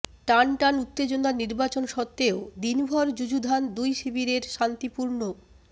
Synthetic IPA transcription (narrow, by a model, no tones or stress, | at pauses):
ʈanʈanut̪ːed͡ʑonaɾniɾbat͡ɕonʃɔt̪ːeod̪inbʱɔɾd͡ʑud͡ʑud̪ʱand̪ujʃibiɾeɾʃant̪ipuɾno